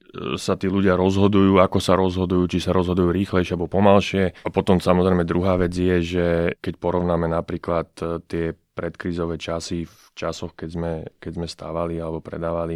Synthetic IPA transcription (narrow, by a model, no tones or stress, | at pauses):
sat̪iːluɟɪaɾɔzɦɔd̪ujuːakɔsaɾɔzɦɔd̪ujuːt͡ʃisaɾɔzɦɔd̪ujuːɾiːxlɛjʃɪɛabɔpɔmalʃɪɛapɔt̪ɔmsamɔzɾɛjmɛd̪ɾuɦaːʋɛd͡zjɛʒɛkɛcpɔɾɔʋʊnaːmɛnapɾiːklat̪ːɪɛpɾɛt̪kɾiːzɔʋɛːt͡ʃasif | t͡ʃasɔxkɛzmɛkɛzmɛst̪a̰ːʋalialɛbɔpɾɛ̰d̪aːʋali